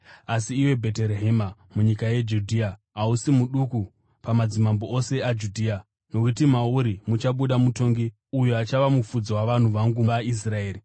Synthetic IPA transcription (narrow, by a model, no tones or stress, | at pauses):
asiːwe̞bʱe̞te̞ɾeɦe̞mamuɲikaje̞d͡ʒudʱiːa | ausimuɗuku | pamad͡zimamboose̞ad͡ʒudʱiːa | no̞kutimauɾimut͡ʃaɓuɗamuto̞ŋɡi | ujuat͡ʃaʋamufud͡zowaʋan̤uʋaŋɡuais̬rae̞ːri